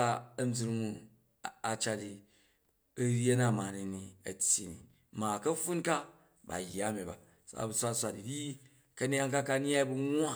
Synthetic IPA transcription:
a˦ɐ˦m˦d͡zi˦ɾmu˦ | a˨t͡ʃa˦di˨ | ɐ˦ɾʲe˦na˦˨ma˨ni˨ni˨ɐ̰˨tʲji˨nḭ˨ | ma˨kɐ˦ɸu˦nka˦ | ba̰˨jːa˦mi˨ba̰˨ | sa̰˦˨˦bu˨sʷa˦sʷa˨di˨ɾi˦ | kɐ˦nʲ˦a˦ŋka˦ka˦ɲ˦a˦i˦bu˦ŋ˦a˦

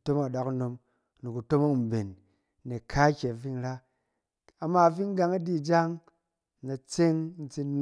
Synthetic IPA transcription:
to˦ma˨ɗa˨kno˧m˨ | ni˨ku˨to˦ma˦˨m˨be˨n˦ | ne˨kʰa˦kʲe˨fi˦ŋɾa˦ | a˨mːa˧˨fi˦ŋ˦ɡa˧ŋa˦di˦˨d͡ʒa˦ŋ˨ | na˨t͡se˦ŋ˦n̩˦t͡si˧n

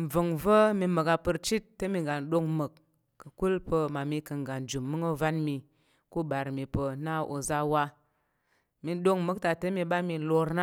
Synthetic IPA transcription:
m̩˨vɨ˨ŋvə˦mi˧mə˨ka˧pɨ˧ɾt͡ʃi˦tːə˦mi˧ŋɡa˨n˨ɗo˧ŋmɨ˨kː | ɨ˨ku˦lpə˧ma˨mi˧kɨ˧ŋ˨ɡa˨n˨d͡ʒu˨mːɨ˦ŋo˦va˦nmi˧ | ku˦ɓa˨ɾmi˧pə˧na˦ʔo̰˧za˧wa˦˧ | mi˧˦ɗo˧ŋmɨ˨˦k̚ta˨tə˦mi˧ɓa˦mi˧lo˧ɾna˦

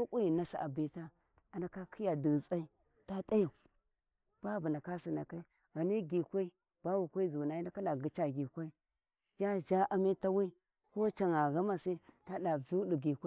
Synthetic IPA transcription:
o˦ku˦ji˨na˦sa̰˨ʔa˨bi˦ta˦ | a˨na˦ka˦kʰi˦ja˨di˨t͡sa˦i˦ | ta˦ta˦ja˨ | b̥a˦bu˨na˨ka˦si˨na˨ka˦i˦ | ɣa˨ni˦ɡi˨kʷa˦i˦ | b̥a˦wu˨kʷa˦i˦zu˨na˨i˦na˦ka˦ɗa˨ɡi˨t͡ʃa˨ɡi˨kʷa˦i˦ | d͡ʒa˦d͡ʒa˦ʔa˨mi˦ta˦wi˦ | ko˦t͡ʃa˨ŋa˨ɣa˦ma˦si˦ta˦ɗa˨vi˦di˨ɡi˨kʷa˦

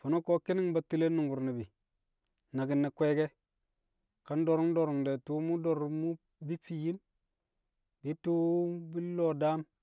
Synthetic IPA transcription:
fo˨no˦ko˦ki˦ni˦ŋba˨ti˨le˦nu˨ŋɡu˨ɾni˨bi˨ | na˨ɡi˨nːe˨kʷe˦ɡe˦ | ka˨˦ndo˨ɾu˦ŋ˦do˨ɾu˨ŋde˨tu˦mu˦do˨ɾmu˦ | bi˦fi˨ji˦n | bi˨˦tu˦bi˦lo˦˨da˦m

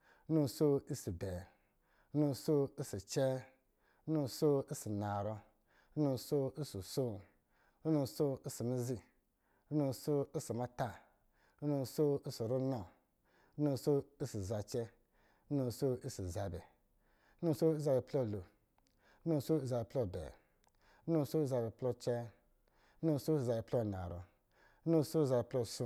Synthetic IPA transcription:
nu˦˧so˦i˦si˨bɛ˨˦ | nu˧˨so˦i˦si˨t͡ʃɛ˦ | nu˦˧so˦i˦si˨na˨ɾo˧˦ | nu˧so˦i˦su˨so˦ | nu˧˨so˦i˦si˨mi˦zi˧˦ | nu˧˨so˦i˦si˨ma˧ta˦ | nu˧˨so˦i˦si˨ɾu˦no˨˦ | nu˧so˦i˦si˨za˧t͡ʃɛ˦ | nu˧so˦i˦si˨za˧bɛ̰˨˦ | nu˧˨so˦i˦za˧bɛ˨plɔ˦˨lo˨˦ | nu˧˨˦so˦i˦za˧be˨plɔ˦˨bɛ̰˨˦ | nu˧˨˧so˦i˦za˧bɛ˨plɔ˦t͡ʃɛ˦ | nu˧˨˦so˦si˨za˧bɛ˨plo˦˨na̰˨ɾo̰˨˦ | nũ˧˦so˦za˧bɛ˨plɔ˦˨su˧˦

